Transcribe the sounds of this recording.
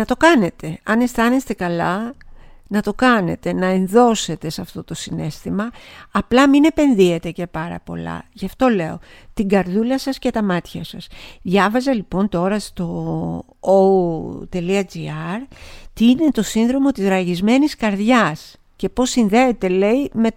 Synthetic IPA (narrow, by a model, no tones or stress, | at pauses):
nɐt̪o̞kɐne̞t̪e̞ɐne̞st̪ɐne̞st̪e̞kɐlɐ | nɐt̪o̞kɐne̞̰t̪e̞nɐe̞nðo̞se̞t̪e̞sɐft̪o̞t̪o̞sine̞st̪imɐːplɐmine̞pe̞nðie̞t̪e̞ce̞pɐɾɐ̰po̞̰lɐ̰ʝɐft̪o̞le̞o̞̰ | t̪iŋɡɐɾðulɐsɐsce̞t̪ɐmɐt̪çɐsɐsðʝɐvɐzɐlipo̞nt̪o̞ɾɐst̪o̞ | ot̪e̞liɐd͡ziɐɾt̪iine̞t̪o̞sinðɾo̞mo̞t̪izɾɐʝizme̞niskɐɾðʝɐs | ce̞po̞sinðe̞ːt̪e̞le̞ime̞